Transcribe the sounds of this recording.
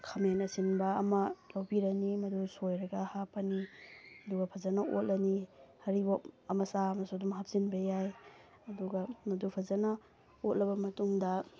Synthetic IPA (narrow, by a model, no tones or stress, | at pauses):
kʰɐmenɐsinbɐːmɐlawbiɾɐnimɐdusojɾɐɡɐhapɐniɐduɡɐpʰɐzɐnɐʔot̚lɐnihɐɾiboɐmɐsamɐsadumɦap̚sinbɐjaj | ɐduɡɐmɐdupʰɐzɐnɐ | ot̚lɐbɐmɐtuŋdɐ